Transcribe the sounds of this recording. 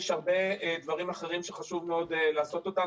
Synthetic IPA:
ʃhaʁbe̞d̪vaʁimaχe̞ʁimʃeχaʃuvmeo̞d̪elaːso̞t̪o̞t̪a

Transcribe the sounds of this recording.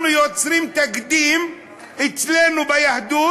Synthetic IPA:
njot͡sɾiːmt̪akd̪iːm | ʔɪt͡sleːnubajaħd̪uː

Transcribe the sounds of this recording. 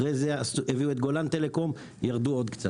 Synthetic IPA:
ʁejzeasueviuet̪ɡo̞lant̪ele̞ko̞m | jaʁd̪uo̞d̪kt͡sa

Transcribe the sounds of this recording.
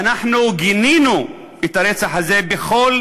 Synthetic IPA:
anaħnuɡininu | et̪aɾet͡saħaze̞beχo̞l

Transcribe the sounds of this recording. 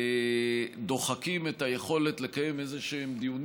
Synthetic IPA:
d̪o̞χakimetaje̞χo̞le̞t̪le̞kaje̞me̞zeʃemd̪iun

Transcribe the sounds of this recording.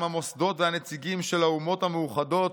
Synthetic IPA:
mhamo̞sd̪o̞tveanet͡siɡimʃe̞laumo̞thameuχado̞t

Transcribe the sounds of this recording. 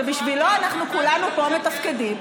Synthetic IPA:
ebiʃvilo̞anaχnukulanupo̞met̪afkedim

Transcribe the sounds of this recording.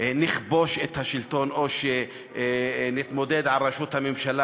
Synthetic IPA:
niχbo̞ʃet̪haʃilt̪o̞noʃe | nit̪mo̞d̪ed̪ʕalʁaʃut̪hamemʃala

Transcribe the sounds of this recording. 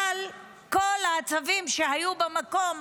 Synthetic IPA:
al | ko̞laːt͡savimʃehajubemako̞m

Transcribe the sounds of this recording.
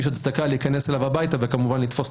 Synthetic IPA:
ʃ̬at̪sd̪akaliːkaneselavabajt̪avekamuvanlit̪fo̞s

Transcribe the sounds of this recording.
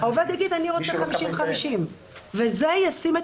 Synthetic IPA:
aoved̪jaɡid̪aniʁot͡sʃeχamiʃimχamiʃim | vezejasime

